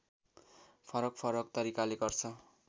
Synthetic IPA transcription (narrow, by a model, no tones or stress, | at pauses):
pʰʌɾʌk̚pʰʌɾʌkt̪ʌɾikaleɡʌrt͡sʰʌ